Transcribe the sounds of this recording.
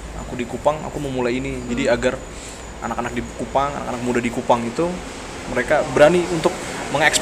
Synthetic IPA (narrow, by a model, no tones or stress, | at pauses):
a̰kudikupaŋa̰kuməmulajinid͡ʒadiaɡar | ʔa̰nakanak̚dikupaŋa̰nakanak̚mudahdikupaŋit̪u | məɾekabəɾaniunt̪ʊk̚məŋɛks